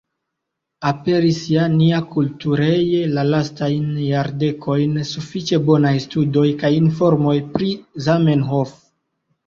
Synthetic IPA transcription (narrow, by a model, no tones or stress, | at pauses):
ape̞ɾisjaniakultuɾe̞jelalastajnjaɾde̞kʰo̞jnsufit͡ʃe̞bo̞najstudo̞jkajinfo̞ɾmo̞jpɾizame̞nɦo̞f